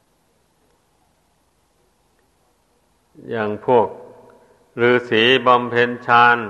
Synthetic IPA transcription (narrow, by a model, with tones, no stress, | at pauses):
jaː˧˩ŋpʰu˥˩ək̚ | lɯː˨˦siː˩˦ba˧mpʰe˧˥nt͡ɕʰaː˧˥n